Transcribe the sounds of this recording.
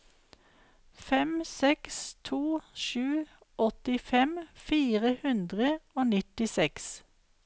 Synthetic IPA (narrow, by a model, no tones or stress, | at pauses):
fɛmsɛkst̪ʰuːʃʉː | ʔɔt̪ɪfɛmfiːʁəhʉnd̪ʁəoːnɪt̪ɪsɛks